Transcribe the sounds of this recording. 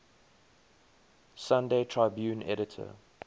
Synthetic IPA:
sãndeɪtʰɹaɪbjʉ̃ːnʔɛ̰ɾɪtʰə̰

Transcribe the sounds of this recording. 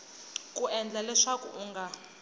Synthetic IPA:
kʼuɛnd͡ɮalɛʂakṵʔuŋɡa

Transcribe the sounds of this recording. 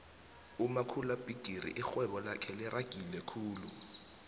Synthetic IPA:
umakʰulab̥ʱiɡ̥ʱirḭʔɪxwɛɓɔlakʰɛlɪrʔaɡ̥ʱilɛkʰuːlu

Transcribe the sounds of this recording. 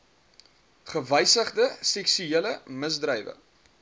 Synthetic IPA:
χəvəjsəχdəsɛksyiələməsdrəjvə̰

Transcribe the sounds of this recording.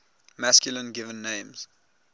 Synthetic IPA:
maskjulə̃nɡɪvə̃nːẽɪ̃mz̥

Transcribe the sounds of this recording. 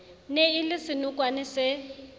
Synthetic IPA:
neilɪsɪnʊkwanɪsɪ

